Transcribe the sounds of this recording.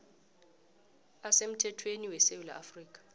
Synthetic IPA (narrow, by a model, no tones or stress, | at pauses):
asem̩tʰɛtʰweniwɛsewula̰ʔa̰friːk̬ʼḁ